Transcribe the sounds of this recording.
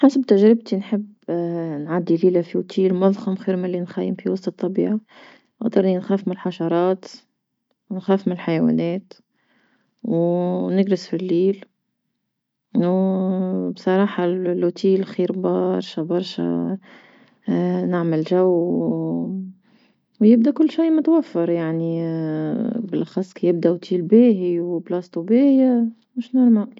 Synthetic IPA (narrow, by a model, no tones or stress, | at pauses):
ħasabt̪aʒɾɪb̚t̪inħɪb | nʕad̪ːiliːlafiʊt̪ʰiːlmɑðˤxɑmxiːɾmalːinxæjːɪmfiwɑsˤt̪ˤɨt̪ˤːɑbḭːʕa | ʔɑɣd̪ˤɑɾˤninxæːfmɪlħaʃɑɾˤɑːt̪ | wnxæːfmɪnɪlħajawæ̰ːnɛːt̪ | wnɪɡɾɪsfilːiːl | bsˤɑɾˤɑːħɑlːut̪iːlxiːɾbɑɾˤʃæbɑɾˤʃæ̰ | nɪʕmɪlʒæwː | wjɪb̚d̪ækʊlːʃiːmʊt̪wæfːɑɾˤjaʕni | bɪlʔɑxɑsˤːkijɪb̚d̪æwt̪ʰiːlbæːɦiwblɑst̪ubɪja | mʊʃnɪɾmaʕ